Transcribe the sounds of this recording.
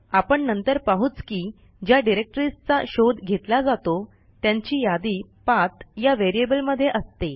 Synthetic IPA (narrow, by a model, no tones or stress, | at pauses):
apəɳnənt̪əɾpaɦuːt͡skiː | d͡ʑjaɖiɾek̚ʈɾist͡sa̰ɕod̪ɡʱet̪lad͡zat̪o | t̪jãɲt͡ɕiːjad̪iːpat̪jaʋeɾiebəlməd̪ʱːjeʔəst̪e